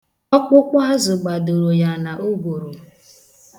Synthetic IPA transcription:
ɔ˦k͡pʊ˦kʷa˦a˦zʊ˨ɡ͡ba˨do˨ɾo˨ja˨na˨ʔo˦ɡʷo˨ɾo˨

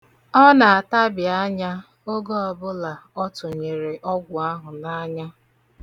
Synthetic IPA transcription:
ɔ˦na˨a˨ta˦bja˦ɲa˦ | o˦ɡo˦ɔ˨bʊ˦la˨ɔ˦tʊ˨ɲe˨ɾe˨ʔɔ˦ɡʷʊ˨a˦ɦʊ˨na˦ɲa˦

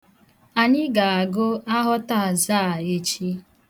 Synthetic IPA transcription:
a˨ɲɪ˦ɡa˨a˨ɡʊ˦a˦ɦɔ˦ta˦˨zaː˦˨e˨t͡ʃi˦

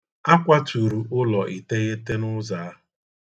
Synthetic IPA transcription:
a˦kʷa˦tu˨ɾu˨ʔʊ˦lɔ˨ʔi˨te˦ɣe˦te˦nʊ˦za˨˦

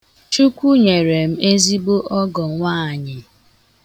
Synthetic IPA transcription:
t͡ʃu˦kʷu˦ɲe˨ɾe˨m̩˦e˦zi˦bo˦ʔɔ˦ɡɔ˨ŋʷa˦˨ɲɪ˨

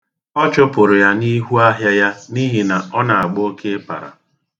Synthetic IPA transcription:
ɔ˦t͡ʃʊ˦pʊ˨ɾʊ˨ja˦ni˦ɦu˦a˦ɦja˦ja˦ni˦ɦi˨na˨ɔ˦na˨a˨ɡ͡bo˦kʰe˦pa̰˨ɾa̰˨

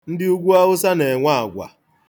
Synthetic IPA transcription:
n̩˦dɪ˦u˦ɡʷu˦a˦ɣʊ˦sa˦ne˨ŋʷa˦a˨ɡʷa̰˨

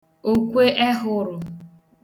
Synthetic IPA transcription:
o˨kʷe˦ʔe˦ɦʊ˦ɾʊ˨

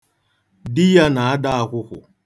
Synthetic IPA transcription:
dɪ˦ja˦na˨a˦da˦a˨kʷʊ˦kʊ̰˨

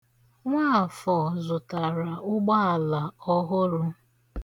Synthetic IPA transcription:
ŋʷaː˦˨fɔ˨zʊ˨ta˨ɾa˨ʊ˦ɡ͡ba˦a˨la˨ɔ˦ɦʊ˦ɾʊ˦

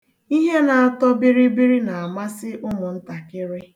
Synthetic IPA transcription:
i˦ɦe˦na˨a˨tɔ˦bi˦ɾi˦bi˦ɾi˦na˨a˨ma˦sɪ˦ʔʊ˦mʊ˨n̩˦ta˨kɪ˦ɾɪ˦

